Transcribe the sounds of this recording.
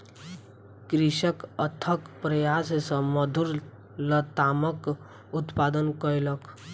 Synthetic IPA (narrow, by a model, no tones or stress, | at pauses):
kɾiʃəkət̪ʰəkpɾəjassə̃məd̪ʱuɾ | lət̪amək | ut̪pad̪ənkəilək